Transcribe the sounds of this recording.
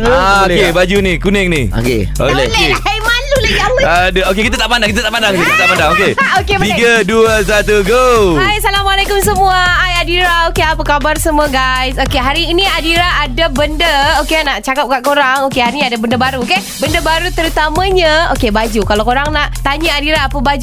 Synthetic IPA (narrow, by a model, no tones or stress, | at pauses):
aokebad͡ʒunikunɛŋnio̰kḛ | olleajmalulajaadaokekit̪at̪aʔpandaŋkit̪at̪aʔpandaŋsikit̪t̪aʔpandaŋokeoketbəiɡaduəs̬at̪uɡoajasalamalekʊms̬əmuaːjadiɾaokeapəkabarsəmũaɡajsokeɦaɾiːnĩadiɾaadabəndəokeanaʔt͡ʃakap̚kaʔkoɾaŋokehaɾiɲadabəndəbaɾuoke | bəndəbaɾut̪əɾut̪amãɲãokebad͡ʒukalawkoɾaŋnaʔt̪aɲəadiɾaːpəbad͡ʒ